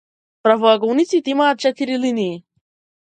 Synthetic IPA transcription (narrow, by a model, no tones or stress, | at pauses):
pɾavɔɐɡɔwnit̪sit̪imaːt̪̚t͡ʃɛt̪iɾiliniji